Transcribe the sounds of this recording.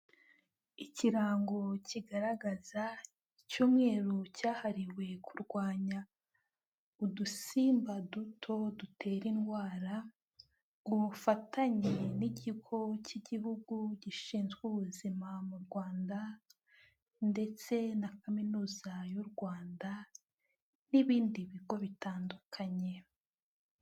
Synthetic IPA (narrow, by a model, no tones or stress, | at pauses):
iciɾaːŋɡo̞ciɡaɾaɡaza | icuːmŋe̞ːɾocaːhaɾiwe̞kʰuɾɡwaːɲa | udusiːmbadutʰo̞dutʰe̞ːɾinɡwaːɾa | uβufataɲeniɟiɡo̞ciɟihuɡuɟiʃiːnzɡuβuzimamuɾɡwaːnda | nde̞t͡se̞nakaminuːzajuɾɡwaːnda | niβiːndiβiɡo̞βitaːndukʰaɲe̞